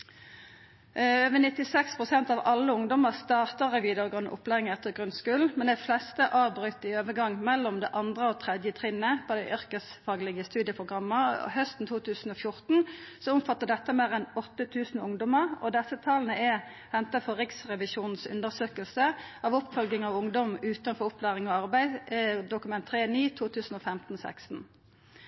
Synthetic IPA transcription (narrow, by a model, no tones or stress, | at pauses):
øːʋənɪt̪ːɪsɛkspʰʁʊsɛnt̪ɑʋɑlːəʊŋd̪ɔməʁst̪ɑːʁt̪əʁɛʋiːd̪əʁɡʁʉnʔʊ̰plæːɪŋɛt̪ːəɡʁʉnskʉln̩mɛnd̪æɪflɛst̪əʔɑːʋbʁʏt̪ːɪøːʋəɡɑŋːmɛlːɔmd̪ɛʔɑnd̪ʁəoːt̪ʰʁɛd̪jət̪ʰʁɪnːəpʰoːd̪ɛʔʏʁkəsfɑːɡlɪɡəst̪ʉːd̪ɪjəpʰʁʊɡʁɑmːə̰hœst̪n̩t̪ʰuːt̪ʰʉːsn̩ɔfjʊʁt̪n̩sɔʊmfɑt̪ːəʁɖ̪ɛt̪ːəmeːʁɛnɔt̪ːət̪ʰʉːsn̩ʊŋd̪ɔməʁɔ̰d̪ɛsət̪ʰɑːln̩əɛ | hɛnt̪əfɔʁɪksʁɛʋɪʃuːnn̩sʉ̰nd̪əʁsøːkəlsəɑʋʊpːfœlɡɪŋɑʋʊŋd̪ɔmʉːt̪ɑnfɔʁʊpʰlæːʁɪŋɔɑʁbæɪd̪ʊkʉmɛnt̪ʰːʁeːniːt̪ʰuːt̪ʉːsn̩ofɛmt̪n̩ɔsæ̰kst̪n̩